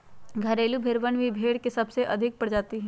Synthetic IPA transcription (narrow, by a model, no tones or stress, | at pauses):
ɡʱɐɾeːlubʱɪɾʋənʋʱibʱeːɽkesɐbseʔɐd̪ʱɪk̚pɐɽd͡ʒaːt̪iɦɛ̃ː